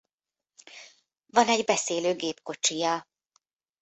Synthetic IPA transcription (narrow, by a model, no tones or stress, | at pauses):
vɒnɛɟbɛseːløːɡeːpko̞t͡ʃijɒ